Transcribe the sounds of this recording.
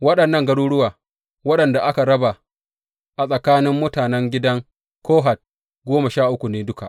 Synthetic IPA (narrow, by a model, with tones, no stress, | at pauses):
wɐ˦ɗɐ˨nːɐ˦˨ŋɡɐ˦ɽuː˦ɽʊ˦waː˨ | wɐ˦ɗɐ˨nda˨ʔa˦ka˨ɽɐ˦ba˨ | ʔa˨sʼɐ˨kaː˦nɪ˦mːʊ˦taː˨nɛ˦ŋɡʲɪ˦dɐ˦ŋ | kʰoː˦ɦa˨t̚ | ɡoː˦ma˨ʃaː˦˨ʔʊ˦kʷu˨neː˦dʊ˦ka˨ʔ